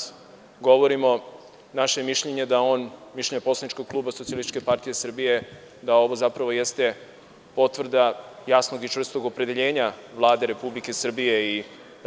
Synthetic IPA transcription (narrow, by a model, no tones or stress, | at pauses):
ɡo̞ʋo̞ɾimo̞ | naʃeemiʃʎeɲed̪ao̞ːnmiʃleɲeposlˠanit͡ʃkoɡ̚klˠuːbasot̪sialisi̥t͡ʃkepaɾt̪ije̞sr̩bije̞ | d̪ao̞ʋo̞zapɾaʋo̞jest̪e̞ | po̞t̪ʋr̩d̪ajasno̞ɡit͡ʃɾr̩st̪o̞ɡo̞pɾe̞d̪e̞ʎe̞ːɲaʋlˠaːd̪e̞ɾe̞publike̞sr̩bije̞i